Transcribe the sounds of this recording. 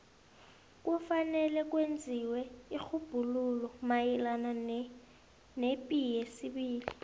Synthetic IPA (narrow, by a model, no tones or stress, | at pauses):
k̬ʼufanɛlɛk̬ʼwend͡zʱiwɛik͡xʰub̥ʱululɔmajilana | nepʼijɛsiɓiːli